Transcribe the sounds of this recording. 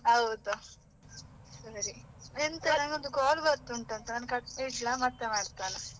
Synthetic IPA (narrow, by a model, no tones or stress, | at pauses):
ɦɐwd̪u | sɐɾient̪ɐnaŋɡond̪uɡaːlbɐɾt̪uuɳʈɐnt̪ɐnaːnkɐʈeʈlamɐt̪ːemaːɽt̪aːne